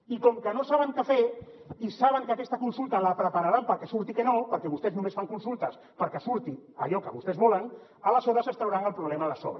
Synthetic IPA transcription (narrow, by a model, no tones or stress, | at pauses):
ikɔmkənosaβəŋkəfe | isaβ̞əŋkəakɛst̪əkunsulˠt̪əlapɾəpaɾaɾampəɾkɛsuɾt̪ikənopəɾkɛβust̪ɛznũmesfaŋkunsulˠt̪əs | pəɾkesuɾt̪ia̰ʎɔkəβust̪ɛzβɔlən | aləsɔðəsəst̪ɾawɾaŋəlpɾuβlɛmalasɔ̰βɾə